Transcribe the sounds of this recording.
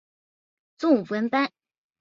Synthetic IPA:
t͡sʊ˥˩ŋu˨˩pwə˧˥npa˥n

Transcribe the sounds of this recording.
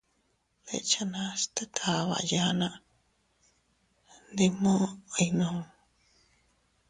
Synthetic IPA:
βḛ˧˨t͡ʃa˧nã˧st̪e˦t̪ʰa˨βa̰˨ja˧nã˧ʔ | nd̪i˧mõ˦i˧nõ˨˧

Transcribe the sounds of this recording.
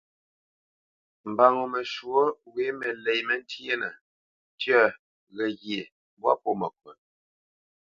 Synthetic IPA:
m̩˨ba˨ŋo˨mə˨ʃwo˦we˨˦mə˨lɛ˨jmə˦n̩˦tje˦nə˨ | tjə˦˨ | ɣə˨ɣje˨˦ | bwa̰˦po˦˨mə˨kwə˨

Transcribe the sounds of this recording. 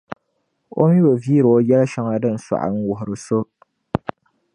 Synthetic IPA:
o̰˦mi˦bo˨vi˦ɾɨ˨o˦jɛ˦la˦ʃɛ˦ŋa˦dɨ˦n̩˨sa̰˨ʔa̰˨n̩˦wʊ˨ɦʊ˨ɾɨ˨so˦

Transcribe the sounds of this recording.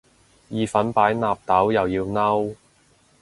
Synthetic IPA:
jiː˨˧fɐ˨˥npaː˨˥jnaː˨p̚t̪ɐ˨˥wjɐ˨wjiː˧wnɐ˥w

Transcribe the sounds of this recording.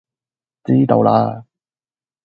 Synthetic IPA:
t͡siː˥t̪o̰˨˧wla̰ː˧

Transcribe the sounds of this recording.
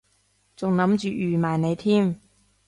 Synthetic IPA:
t͡sʊ˨ŋnɐ˨˥mt͡ʃyː˨yː˨˩maː˨˩jne˨˧jt̪ʰiː˥m

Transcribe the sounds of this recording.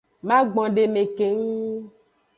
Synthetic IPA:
mã˦ɡ͡bɔ̃˨ɖe˨me˨ke˨ŋu˦

